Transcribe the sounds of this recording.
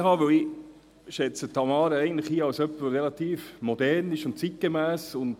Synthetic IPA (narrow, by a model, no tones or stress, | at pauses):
ɦɑːʋœwi | ʃɛt͡sətʰːɑmɑːɾəæɪɡən̩tləχhiːɑwsœpːərelɑt̪iːfmɔdɛɾnɪʃʊnt̚t͡sit̚ɡ̥emæːsʊnd